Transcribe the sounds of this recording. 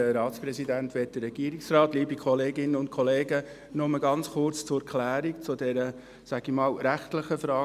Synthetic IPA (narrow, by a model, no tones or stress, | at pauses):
ɾɑːtt͡spɾɛsidænt̪ʋɛt̚d̥ərːɛɡ̥iːəɾiksrɑːt̪liːbikχɔleːɡɪnəʊntkʰɔleːɡə | nɔməɡɑnt͡sχʊɾt͡st͡sʊkʰlæːɾikt͡sʊdɛɾə | sæɡ̥imɑːlɾæχtləχəfɾɑː